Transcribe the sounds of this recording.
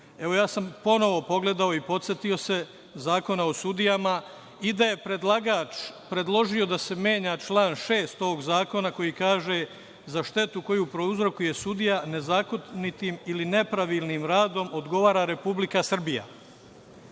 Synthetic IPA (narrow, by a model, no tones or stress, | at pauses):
e̞ʋo̞jaːsampo̞no̞ʋo̞po̞ɡle̞d̪ao̞ipo̞t̪sjet̪io̞se̞ | zaːko̞nao̞sud̪ijama | id̪aje̞pɾed̪laɡat͡ʃpɾe̞d̪lˠo̞ʒio̞d̪ase̞mje̞ːɲat͡ʃlˠaːnʃe̞ːst̪oːɡzaːko̞nako̞jikaːʒe̞ | zaʃt̪e̞t̪uko̞jupɾo̞uzɾo̞kuje̞sud̪ijane̞zaːkot̪nit̪iːmiline̞pɾaʋiːlnimɾaːd̪o̞mo̞d̪ɡo̞ʋaːɾaɾe̞publikasr̩bija̰